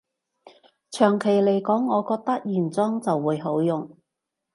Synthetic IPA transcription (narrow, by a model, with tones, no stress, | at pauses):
t͡ʃʰœː˨˩ŋkʰe˨˩jle˨˩jkɔː˨˥ŋːɔː˨˧kɔː˧k̚t̪ɐ˥k̚jiː˨˩nt͡sɔː˥ŋt͡sɐ˨wːuː˨˧jɦo˨˥wjʊ˨ŋ